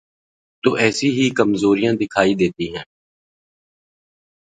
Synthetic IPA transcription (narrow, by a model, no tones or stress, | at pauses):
t̪uːʔɛːsiɦikəmzoːɾijãd̪ɪkʰaːid̪eːt̪iɦɛ̃ː